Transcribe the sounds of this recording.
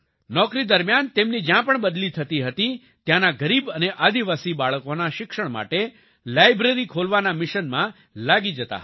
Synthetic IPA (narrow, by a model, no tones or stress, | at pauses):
nɔkɾid̪əɾmjant̪emnid͡ʒjãpəɳbəd̪lit̪ʰət̪iɦət̪i | t̪jãnaɡəɾibəneʔad̪iʋasibaɭəkonaʃɪkʃəɳma̰ʈe | lajbɾeɾikʰolʋanamɪʃənmã | laɡid͡ʒət̪a̰